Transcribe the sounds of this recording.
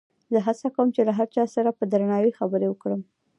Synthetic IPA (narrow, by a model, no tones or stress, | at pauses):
zəɦasakawəmt͡ʃelaɦaɾt͡ʃɑsaɾapəd̪ɾanɑwixabəɾewəkɽəm